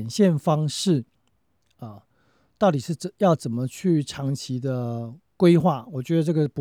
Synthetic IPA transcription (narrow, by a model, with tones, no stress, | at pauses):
nɕjɛ˥˨nfɑ˥ŋʂɻ̩˥˩ | ə˩ | t̪ɑ˥˩ʊt̪̬i˨˩ʂɻ̩˥˩t͡sjɑ˥˩ʊt͡sə˨˩nmə˨t͡ɕʰy˥˩ʈ͡ʂʰɑ˧˥ŋt͡ɕʰi˧˥d̪ə˧ | kwe˥ɪxwa˥˩wɔ˨˩t͡ɕɥɛ˧˥d̪ə˧ʈ͡ʂɤ˥˩ɡə˨˩pu˧